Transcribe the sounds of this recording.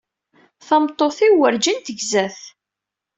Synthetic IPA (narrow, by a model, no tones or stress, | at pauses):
θɑmt̪ˤːoθiwəɾd͡ʒənt̪əʝzæθ